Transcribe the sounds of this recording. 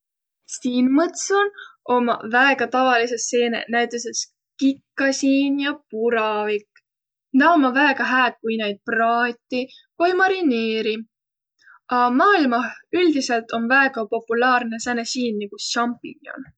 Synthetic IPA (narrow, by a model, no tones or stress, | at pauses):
siːnmɤt̪sono̞mɑ̰væeɡ̥ɑt̪ɑvɑlise̞se̞ːnḛnæjt̪ːˑeses | kikːɑsiːnjɑpuɾɑvik | nɑomːɑvæeɡ̥ɑɦæːd̪̥̚kujnejd̪̚prɑːt̪ʲːi | kojmɑɾineːɾi | ɑmɑːilmɑyld̪ise̞lt̪o̞nvæeɡ̥ɑpo̞pːulɑːrne̞sænesiːnːiɡ̥uʃɑmpˑḭŋio̰n